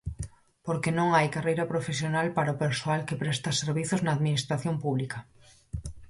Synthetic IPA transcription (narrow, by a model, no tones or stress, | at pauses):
poɾkenõŋajkarejɾapɾofesjonalpaɾaopeɾsoalkepɾest̪aseɾβiθoznaːðminist̪ɾaθjompuβ̞lika